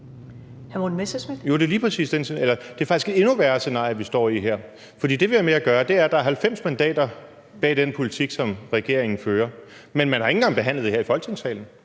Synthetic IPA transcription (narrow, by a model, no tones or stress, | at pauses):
hæmon̩mesesmed̥jo̝d̥e̝liːpʰʁɛsḭːsd̥eneelɐd̥e̝æfɑ̈ɡ̥isɡ̥e̥e̝nuʋæːɐse̝nɑ̰̈jɐʋisd̥ɒ̰ːiɦeɐ̰ | fɒd̥ḭːd̥e̝ʋe̝ʋæmeæɡ̥ɶːɐd̥e̝æɐd̥ɑ̈æɐɦælfem̰smænd̥ɛ̰ːd̥ɐ | b̥ɛ̰ːd̥enpʰo̝lit͡sʰiɡ̥sɒ̽mʁɛɡ̥e̝ɐ̰e̝ŋn̩føːɐmenmænhɑ̈eŋ̩ɡɑ̈ŋb̥e̝ɦæn̰lð̩̥ˠeheɐifɒ̽lɡ̥ʰe̝ŋsɛ̰ːln̩